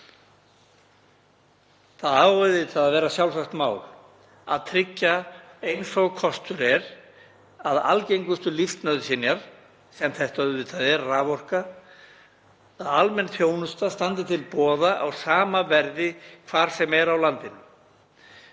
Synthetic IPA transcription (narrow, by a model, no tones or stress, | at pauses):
θaðaːwɛðɪt̪ʰaðaðvɛːɾasjawlsaxt̪maːwl | a̰ðt̪ʰɾɪcːaejnsɔɣkʰɔst̪ʏɾɛɾ | aða̰lcejŋkʏst̪ʏlift̪nœðsɪnjaɾ̥ | sɛmθɛht̪œɪt̪ʰaðɛɾraːvɔr̥ka | aðalmɛnθjoːwnʏst̪ast̪ant̪ɪt̪ʰɪlpɔːðaʔawsaːmavɛɾðɪkʰvaːɾ̥sɛmɛɾawlant̪ɪnʏ